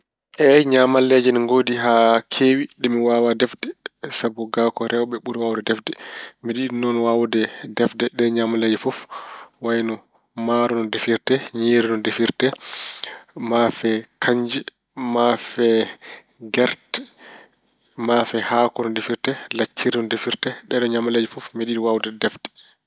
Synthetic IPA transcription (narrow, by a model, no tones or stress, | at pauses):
ʔɛɲamalːɛd͡ʒɛnŋɡodiɦakʰewiɗɛmiwawadɛfdɛsabɔɡakɔɾɛwɓɛɓuɾiwawdɛdɛfdɛmiɗiinːɔnwawdɛdɛfdɛɗɛɲamalːɛd͡ʒɛfɔfwajnɔ | maɾɔnɔdefiɾtɛɲiːɾinɔdefiɾtɛ | mafɛkʰaɲd͡ʒɛ | mafɛ | ɡɛɾt | mafɛhakɔnɔndefiɾtɛlat͡ʃːiɾinɔndefiɾtɛɗɛɗɔɲamalad͡ʒifufmiɗiɗiwawdɛdɛfdɛ̥